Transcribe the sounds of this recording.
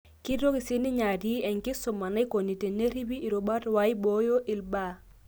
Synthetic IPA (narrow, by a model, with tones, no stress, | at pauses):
ki˦ɾo˦ki˨si˦ni˦ɲa˨di˦ɛ˨ŋki˦so˨ma˨na˦i˦ko˨ni˨te˨ne˦ɾi˦bi˦ʔːɾo˨ba˦twa˨˦i˦bo˦jo˦ʔi˨lba˦